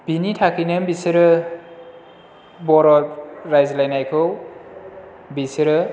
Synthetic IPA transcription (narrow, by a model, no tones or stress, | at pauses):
b̥initʰakʰinɯmbisɯɾɯ | bɔɾɔɾajzlajnajkʰɯw | bisɯɾɯ